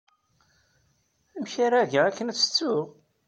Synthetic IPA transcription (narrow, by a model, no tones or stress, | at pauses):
æmçaɾæʝæækːənt͡sːə̥t͡sːʊʁ